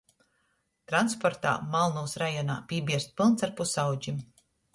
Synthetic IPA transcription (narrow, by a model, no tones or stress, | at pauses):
t̪ɾanspɔɾt̪a̰ːmalˠnuːsɾajɔna̰ːpʲiɛbiɛɾst̪̚pʲilˠnaɾpusawd͡ʒim